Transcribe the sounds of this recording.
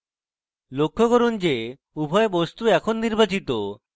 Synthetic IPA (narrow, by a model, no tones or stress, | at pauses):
lokʰːoɡoɾund͡ʑe | ubʱɔebost̪uɛkʰonːiɾbat͡ɕit̪o